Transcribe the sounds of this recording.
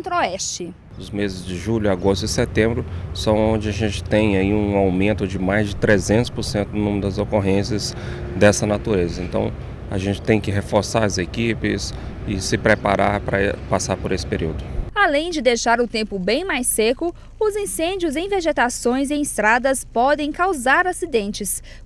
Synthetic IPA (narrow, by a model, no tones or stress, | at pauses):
t̪ɾoɛst͡ʃɪ | ʊzmezɪzd͡ʒɪʒuʎʊaɡost̪ʊɪset̪ẽmbɾʊsɐ̃w̃õd͡ʒɪaʒẽnt͡ʃɪ̥t̪ẽj̃aiũawmẽnt̪ʊd͡ʒɪmajzd͡ʒɪt̪ɾezẽnt̪ʊspʊɾsẽnt̪ʊnũmd̪ɐzokoɦẽsɪɐz | d̪ɛsɐnat̪uɾezɐẽnt̪ɐ̰̃w̃ | a̰ʒẽnt͡ʃɪ̥t̪ẽj̃kɪɦefoɾsaɾɐzekipɪsɪsɪpɾepaɾa̰ɾpɾɐ̰pasaɾpʊɾesɪ̥peɾiwd̪ʊalẽj̃d͡ʒɪd̪ejʃaɾʊt̪ẽmpʊbẽj̃majsekʊ | ʊzĩsẽnd͡ʒiʊzẽj̃veʒet̪asõj̃zẽj̃ɪst̪ɾad̪ɐspɔd̪ẽj̃kawzaɾasid̪ẽnt͡ʃɪs